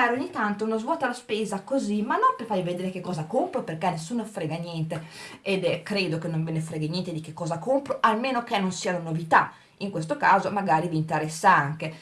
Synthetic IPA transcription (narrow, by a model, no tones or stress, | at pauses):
aɾoɲːit̪ant̪ounozvwɔːt̪alaspeːzakozimanːɔmpefajved̪eːɾekekːɔːzakompɾoperkɛnːesunofɾɛːɡanjɛnt̪eed̪kɾeːd̪okenːoɱvenefɾɛːɡenjɛnt̪ed̪ikekːɔːzakompɾoʔalmeːnok̟enːonsiːanonovit̪a | iŋkwest̪okaːzomaɡaːɾiviːnt̪eɾɛsːaaŋke